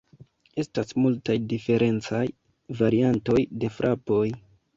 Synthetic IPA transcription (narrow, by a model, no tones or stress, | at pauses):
e̞stasmultajdife̞ɾʔe̞nt͡saj | vaɾianto̞jde̞fɾʔapo̞j